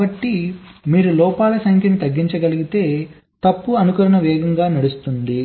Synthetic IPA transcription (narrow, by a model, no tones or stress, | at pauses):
ɐʈːimiːɾulɔːpaːlɐsɐŋkjɐnit̪ɐɡːiɲt͡ʃɐɡɐliɡit̪e̞ː | t̪ɐpːuɐnukuɾɐnɐʋɛːɡɐŋɡaːnɐɽust̪und̪i